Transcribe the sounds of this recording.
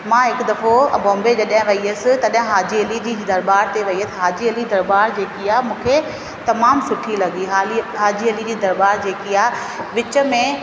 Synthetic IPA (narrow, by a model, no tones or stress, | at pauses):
mãːɦɪkd̪ɐfobõːmbed͡ʑɐɗɦɪ̃ʋɐiəsɪ̆t̪ɐɗɦɪ̃ɦaːd͡ʑiɐlid͡ʑiːd̪ɐɾbaːɾt̪eʋɐiəsɦaːd͡ʑiɐlid̪ɐɾbaːɾd͡ʑeːkiaːɦmũːkʰe | t̪ɐmaːmsʊʈʰilɐɠiɦaːliɦaːd͡ʑiɐlid͡ʑiːd̪ɐɾbaːɾd͡ʑeːkiaː | ʋɪt͡ɕə̆mẽ